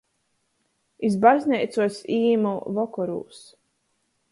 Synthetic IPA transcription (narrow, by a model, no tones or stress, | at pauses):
izbazʲnʲɛjt̪suɔsiːmuvɔkɔɾṵːs